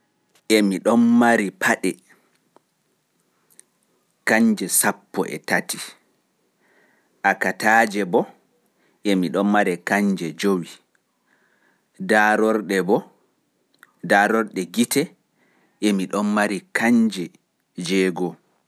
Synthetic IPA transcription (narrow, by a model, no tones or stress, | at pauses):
ʔɛmiɗɔnmaɾipʰaɗɛ | kaɲd͡ʒɛsapːɔʔɛ̰tati | ʔakataːd͡ʒɛbɔ | ʔɛmiɗɔnmaɾɛkaɲd͡ʒɛd͡ʒowi | daɾɔɾɗɛbɔ | daɾɔɾɗɛɡitɛ | ʔɛmiɗɔnmaɾikaɲd͡ʒɛ | d͡ʒɛːɡɔ